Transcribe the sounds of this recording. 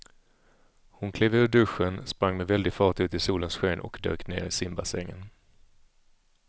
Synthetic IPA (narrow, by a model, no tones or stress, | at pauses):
hʊnkʰleːvɵːɖɵʂːənspɾaŋːmɛvɛld̪ɪɡfɑːʈʉ̟ːt̪ɪsuːlənsɧeːnʔɔ̰kd̪ø̰ːknḛːɾɪsɪmbasɛŋːə̰n